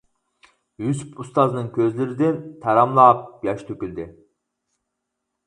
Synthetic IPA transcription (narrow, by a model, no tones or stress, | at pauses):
jysypust̪ɑznɨŋkʲʰøzlɪɾɪd̪ɪnt̪ʰæɾɑmlˠɑːp̚jɑʃt̪ʰøkʲylʲd̪ɪ